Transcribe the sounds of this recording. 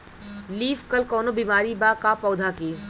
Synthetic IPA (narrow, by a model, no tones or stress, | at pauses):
liːfkɐlkɔːnobiːmaːɾibaːkapɔːd̪ʱakeː